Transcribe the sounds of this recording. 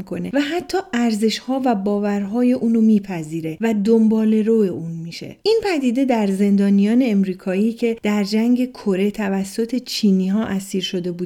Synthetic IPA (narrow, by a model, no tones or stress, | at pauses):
ikʰo̞nḛvæɦæt̪ʰːɒːʔæɾze̞ʃhɒːvæbɒːvæɾɦɒːje̞ʔuːnomiːpʰæziːɾe̞væd̪ombɒːle̞ɾoeʔuːnmiʃe̞̰inpʰæd̪iːd̪e̞d̪æɾze̞nd̪ɒːnijɒːne̞ːmɾiːkʰɒːiːcʰe̞d̪̥æɾd͡ʒæŋɟe̞kʰo̞ɾe̞t̪ʰævæsːot̪ʰe̞t͡ʃʰiːniːɦɒːʔæsiːɾʃo̞d̪e̞buː